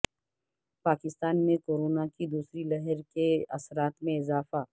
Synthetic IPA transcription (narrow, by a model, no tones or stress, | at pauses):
paːkɪst̪aːnmẽkoːɾoːnakid̪uːsɾilɛɦɛɾkeɐsɾaːt̪mẽɪzaːfa